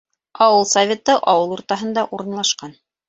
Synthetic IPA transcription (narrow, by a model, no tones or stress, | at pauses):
ɑwɤlˠsɐvʲe̞t̪ɤʔɑwɤlˠuɾt̪ɑɦɤ̆nd̪ɑʔuɾɤ̆nlˠɑʃqɑn